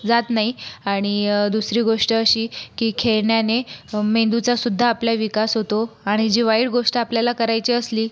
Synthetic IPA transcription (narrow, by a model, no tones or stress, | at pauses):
d͡zat̪naɦiaɽ̃id̪usɾiːɡoʂʈəəɕiːkiːkʰeɭɳjanemend̪ut͡sasud̪ʱːaːpljaʋikasɦot̪oaɽ̃id͡ʑiʋaiɽɡoʂʈəapljalakəɾajt͡ɕiːəsliː